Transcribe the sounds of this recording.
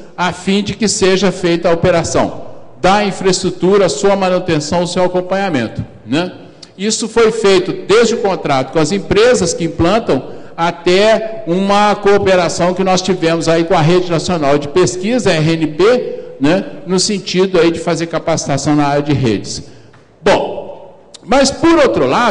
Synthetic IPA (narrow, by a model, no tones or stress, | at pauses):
afĩd͡ʒɪkɪseʒɐfejt̪ɐopeɾasɐ̰̃w̃d̪ɐĩfɾɐɪst̪ɾut̪uɾɐːsuɐmɐ̃nut̪ẽsɐ̃w̃ʊsewakõmpɐ̃ɲamẽnt̪ʊ̥ | nɛ | isʊfojfejt̪ʊd̪ezd͡ʒɪʊkõnt̪ɾat̪ʊ̥kõɐzẽpɾezɐskɪĩplɐ̃nt̪ɐ̃w̃ | at̪ɛũmɐkoːpeɾasɐ̃w̃kɪnɔst͡ʃivẽmʊzaikõɐɦed͡ʒɪnasionawd͡ʒɪpeskizɐɛɦẽnɪpenɛnʊsẽnt͡ʃid̪ʊaid͡ʒɪfazeɾkapasi̥t̪asɐ̃w̃naaɾjɐd͡ʒɪɦḛd͡ʒɪs | bõw̃ | mɐspʊɾowt̪ɾʊla